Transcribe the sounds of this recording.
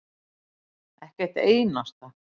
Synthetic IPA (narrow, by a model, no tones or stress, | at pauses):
ɛhcɛr̥t̪eːjnast̪a